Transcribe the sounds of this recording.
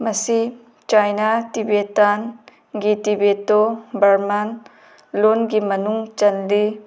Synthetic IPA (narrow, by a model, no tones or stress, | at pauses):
mɐsi | t͡ʃajnat̪ibet̪an | ɡit̪ibet̪obɐɾman | lonɡimɐnuŋt͡ʃɐnli